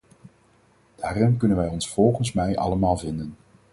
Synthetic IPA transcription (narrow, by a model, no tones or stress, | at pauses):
d̥aːrɪnkɵnənʋɛjɔnsfɔlˠχənsmɛjʔɑ̰ləmaːlˠvɪndən